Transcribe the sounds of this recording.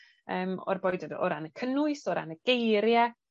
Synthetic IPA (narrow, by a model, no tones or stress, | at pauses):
əːmɔ̰rbɔjdədɔ̰ɾanəkʰənʊɨsɔɾa̰nəɡ̥ejɾjɛ